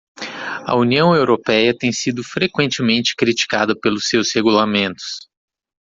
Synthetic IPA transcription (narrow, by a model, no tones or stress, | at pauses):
ɐ̰uniɐ̃w̃ewɾopɛjɐt̪ẽj̃sid̪ʊfɾekwẽnt͡ʃɪmẽnt͡ʃɪ̥kɾit͡ʃi̥kad̪ɐpelʊsːewsheɡulamẽnt̪ʊ̥s